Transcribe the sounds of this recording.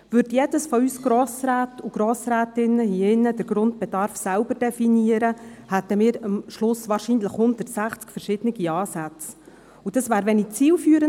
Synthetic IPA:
ʋʏɾdjedəsfɔyːsɡ̥ɾɔːsɾæːtuɡ̥ɾɔːsɾæːtɪnəhiɪnːəd̥əɾɡ̥ɾʊnt̚b̥ɛdɑɾfsælbəɾd̥ɛfiniəɾəhætːəmɪːɾɑmʃlʊsʋɑːɾʃiːnləχhʊnd̥ətsæχt͡skfəɾʃɪd̥ənɪɡiɑːsæt͡s | ud̥ɑsʋæːɾʋɛnit͡siːlfyːəɾə

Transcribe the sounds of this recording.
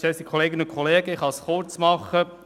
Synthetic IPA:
ɛsikʰɔleːɡənʊkʰɔleːɡəɪχɑsχʊɾt͡smɑχə

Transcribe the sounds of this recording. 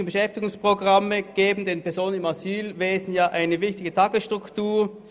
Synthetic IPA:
ənbəʃɛftɪɡʊŋspʁ̥oɡʁaməɡ̥eːbm̩deːnpɛɐzoːnənɪmasyːlveːzn̩jaːʔaɪnəvɪçtɪɡətʰɑɡəsʃtʁ̥ʊktuːɐ

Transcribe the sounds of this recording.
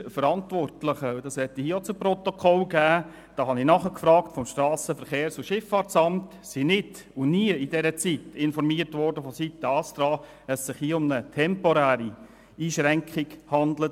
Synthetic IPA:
fəɾɑntʋɔrtləχədɑshɛt̪ːihiːəot͡sʊprɔt̪okʰɔlɡæː | d̥ɑːɦɑnɪnɑχəkfɾɑːktfɔmʃtɾɑːsəfəɾχeːɾsʊʃɪfːɑrtt͡sɑmt | sinɪt | ʊniəidɛɾət͡sitɪnfɔɾmiːərtʋɔrdəfositːəɑsd̥̪ɾɑː | əssɪχhiːəʊmnətʰɛmpɔɾæːɾi | iːʃɾæŋkχɪɡhɑndlət

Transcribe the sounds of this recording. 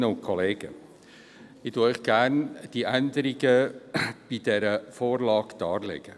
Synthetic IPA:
əʊnkʰɔleːɡə | ɪtuəœʏχɡ̥æːrnd̥iʔænd̪əɾiɡə | b̥id̥̪ɛɾəfoːrlɑːɡ̥d̥ɑːɾlɛ̰ɡ̥ə

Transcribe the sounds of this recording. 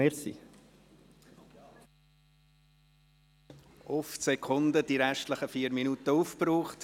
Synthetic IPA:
eːsḭ | ʊfsɛkʰʊnd̪ədiɾɛʃtləχəfiːəɾminutəuːfpɾuːχt

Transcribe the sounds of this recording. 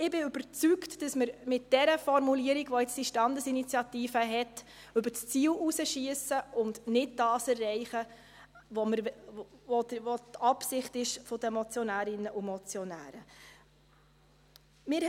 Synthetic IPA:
ɪbɪʏb̥əɾt͡syktd̥ɑsməɾmɪt̚d̥ɛɾəfɔɾmuliəɾiɡʋɔɛt͡sd̥iʃtɑndəsinit͡sjɑtiːfəɦɛt | ʉbəst͡siːlusəʃiəsəʊndnɪt̚d̥ɑːsɛrːɛɪχə | ʋɔməɾ | ɔʋɔtɑpsɪχtɪʃfɔdəmɔt͡sjɔnæːɾɪnːəʔumɔt͡sjɔnæ̰ːɾə | mɪɾ

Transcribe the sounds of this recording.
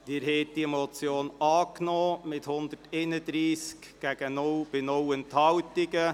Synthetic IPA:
d̥ɪːɾɦɛɪt̚d̥̪iɛmɔt͡sjoːnɑːknɔːmɪthʊnd̪əteːnədɾiːsk | ɡ̥æɡ̥ənɔwb̥ɪnɔwənthɑwtɪɡə

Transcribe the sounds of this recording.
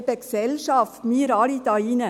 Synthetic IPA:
bəksɛlʃɑːft̪miːɾɑːlit̪ɑiːnə

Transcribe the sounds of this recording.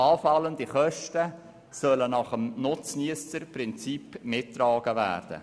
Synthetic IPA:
ɑːfɑləndiχœʃtə | sœlənɑχəmnʊt͡sniəstəɾprɪnt͡sipmɪtːɾɑːɡ̥əvæ̰ːrd̥ə̰

